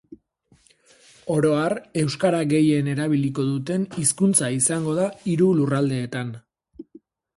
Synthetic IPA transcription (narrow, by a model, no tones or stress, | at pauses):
o̞ɾo̞are̞wskaɾaɣe̞je̞ne̞ɾaβ̞ilik̬o̞ðut̪e̞niskunt͡saisaŋɡo̞ðaiɾulurald̪e̞ːt̪an